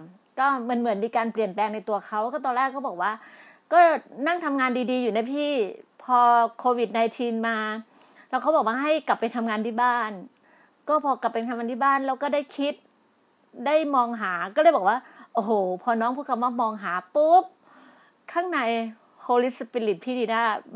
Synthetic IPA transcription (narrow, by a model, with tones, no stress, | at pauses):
kɔː˥˩ma˧nmɯ˩˦ənmiː˧kaː˧npli˨˩ənplɛː˧ŋna˧jt̪u˧ɐkʰa˦˥wʰaː˥˩t̪ɔː˧nlɛː˥˩kʰːɔː˥˩bɔː˨˩k̚waː˥˩ | kɔː˥˩na˥˩ŋt̪ʰa˧mŋaː˧ndiː˧diː˧juː˨˩na˧˦jpʰiː˥˩pʰɔː˧kʰoː˧wi˨˩t̪̚na˧jt̪ʰiː˧nmaː˧ | lɛː˦˥wkʰa˦˥wbɔː˨˩k̚waː˥˩ɦa˥˩jkla˨˩pːa˧jt̪ʰa˧mŋaː˧nt̪ʰiː˥˩baː˥˩n | kɔː˥˩pʰɔː˧ka˨˩pːe˧nk̪ʰmaː˧t̪ʰiː˥˩baː˥˩nlɛː˦˥wkɔː˥˩da˥˩jkʰi˦˥t̪̚ | da˥˩jmɔː˧ŋɦaː˩˦kɔː˥˩lɤː˧˥˩jbɔː˨˩k̚waː˥˩ʔo˧hoː˨˩pʰɔː˧nɔː˦˥ŋpʰu˦˥˩t̚kʰmwaː˥˩mɔː˧ŋɦaː˩˦pu˦˥p̚ | kʰaː˥˩ŋna˧j | hoː˧li˦˥spi˧li˨˩t̪̚pʰiː˥˩diː˧naː˥˩